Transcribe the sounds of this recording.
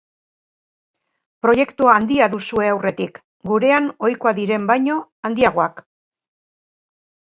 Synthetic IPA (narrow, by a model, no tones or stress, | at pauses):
pɾo̞je̞kt̪uaːnd̪iaðusue̞awre̞t̪ik | ɡuɾe̞ano̞jko̞aðiɾe̞mbajɲo̞ | and̪iaɣ̞o̞ak